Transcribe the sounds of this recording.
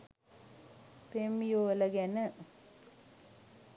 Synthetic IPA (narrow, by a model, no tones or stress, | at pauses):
pemːijoʋələɡænə